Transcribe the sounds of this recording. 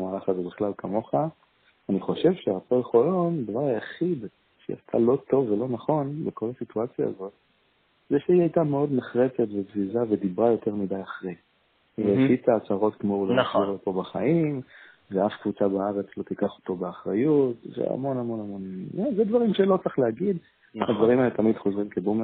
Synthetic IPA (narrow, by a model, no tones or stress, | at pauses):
maːlaχazebiχlalkʰamo̞χa | aniχo̞ʃe̞vʃeʁapolχolo̞nd̪avaʁajaχid̪ | ʃḛa̰st̪ʰa̰lo̞t̪o̞vːe̞lo̞naχo̞nbeko̞lasituat͡sja̰ːzo̞t̪̚ | zeʃeiajtameo̞d̪neχʁete̞tvebzizaved̪ibʁajo̞te̞ʁmidajaχʁej | vefit͡saːt͡saʁo̞t̪kmouleiʁot̪o̞baχaim | veafkvut͡sabaaʁet͡slo̞t̪ikaχo̥t̪o̞beaχʁajutvḛa̰mo̞namo̞namo̞nzed̪vaʁimʃelo̞t͡saχleaɡid̪ | ad̪vaʁimaelet̪amid̪χozʁimkebum